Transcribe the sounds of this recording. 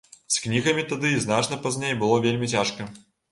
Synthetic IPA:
sknʲiɣɐmʲit̪ɐd̪ɨiznat͡ʂnɐpɐzʲnʲejbɨlˠɔvʲelʲmʲit͡sʲaʂkɐ

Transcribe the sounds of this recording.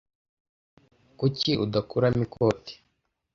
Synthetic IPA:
kuciʔudakuɾamikʰoːti̥

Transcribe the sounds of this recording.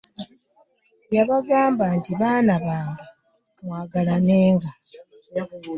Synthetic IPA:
jaβaɡaːmbantiβaːnaβaːndu | mwaːɡalaneːŋɡa

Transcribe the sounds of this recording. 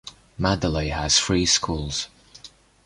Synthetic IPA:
madəleɪəz̥fɹiːskʰuːlˠz̥

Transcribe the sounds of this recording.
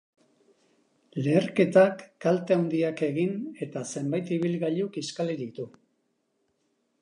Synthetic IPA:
le̞ːɾke̞t̪akːalt̪eawnd̪iake̞ɣine̞t̪ase̞mbajt̪iβilɣaʎukiskaliɾit̪u

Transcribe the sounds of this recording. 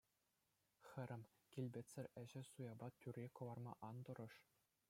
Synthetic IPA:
xʲɘ̆ɾʲɘ̆mʲ | kʲilʲbʲetʲt͡sʲːɘ̆rʲɘ̆ʑɘ̆sujɑbɑt̪ʲyrʲːekɤ̆ʋɑrmɑ̰ʔɑnd̪ɤ̆ɾɤ̆ʂ

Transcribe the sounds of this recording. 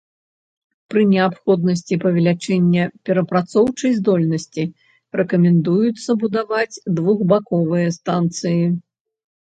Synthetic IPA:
pɾɨnʲɛapxɔd̪̚nɐs̬ʲt͡sʲipɐvʲɛlʲat͡ʂɛnʲːɐpʲɛɾɐpɾat̪sɔwt͡ʂɐjzd̪ɔlʲnɐsʲt͡sʲi | ɾɛkɐmʲɛnd̪ujut̪sːɐbud̪avad͡zʲd̪vuɣbakɔvɨjɐst̪ant̪sɨji

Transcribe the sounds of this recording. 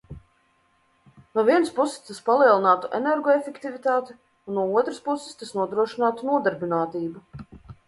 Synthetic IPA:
nuɔviɛnəspusɪ̥st̪aspalˠiɛlˠinaːt̪uʔɛneɾɡɔefʲekt̪ivit̪aːt̪ɪ | unːuɔuɔt̪ɾɨspusːɪ̥st̪asnuɔd̪ɾuɔʃinaːt̪unuɔd̪aɾbʲinaːt̪iːbu

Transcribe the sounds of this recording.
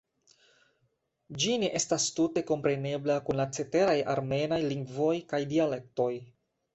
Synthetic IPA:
d͡ʒineʔe̞stastute̞ko̞mpɾe̞ne̞blakunlat͡se̞te̞ɾaja̰ɾme̞najliŋɡvo̞jkajdiale̞k̚to̞j

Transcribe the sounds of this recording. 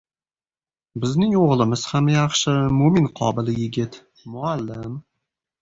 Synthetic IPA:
bɪznɪŋoʁlˠɪmɪz̥hamjɑχʃəmominqʰɒ̰bɪlɪjɪɡʲɪt̪ | mʊalːɪm

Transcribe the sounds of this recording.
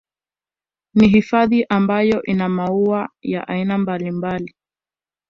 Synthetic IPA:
niɦifaðiʔambajɔʔinamauaja̰ʔa̰inambalimbali

